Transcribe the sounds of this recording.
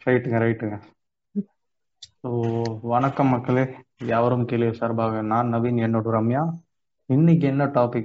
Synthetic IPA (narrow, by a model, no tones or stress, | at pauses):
ɾɐɪʈːɯŋɡɐɾɐɪʈːɯŋɡɐ | soːʋɐnɐkːɐmːɐkːɐɭejaːʋɐɾɯmkeːlɪɐsɐːɾbaːɣɐnaːnːɐbiːnɛɳːoɽɯɾɐmjaː | ɪnːɪk̬ːɛnːɐʈaːpɪkː